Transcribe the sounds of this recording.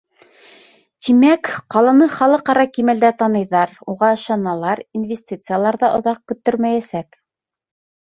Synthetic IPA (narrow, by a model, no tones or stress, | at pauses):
t̪imækqɑlˠɑnɤχɑlˠɤqɑɾɑkimæld̪æt̪ɑnɤ̆jðɑɾuʁɑɤ̆ʃɑnɑlˠɑɾinvʲesʲtʲit̪sɨjalˠɑɾðɑʔŏ̰ðɑq̚kɵ̆t̪ːɵɾmæjæsæk